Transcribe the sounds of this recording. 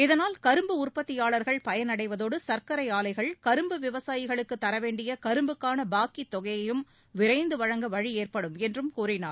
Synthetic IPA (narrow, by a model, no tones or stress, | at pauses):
ɪðɐnaːlkɐɾɯmbɯʊrpɐt̪ːɪjaːɭɐɾɣɐɭpɐjɐnɐɽɐɪʋɐðoːɽɯsɐɾkɐɾɐɪaːlɐɪɣɐɭkɐɾɯmbɯʋɪʋɐsaːjɪɣɐɭɯkːɯt̪ːɐɾɐʋeːɳɖɪjɐkɐɾɯmbɯkːaːnɐbaːkit̪ːɔɣɐjɐjɯm | ʋɪɾɐɪnd̪ɯʋɐɻɐŋɡɐʋɐɻieːrpɐɽɯmɛndrɯmkuːrɪnaːɾ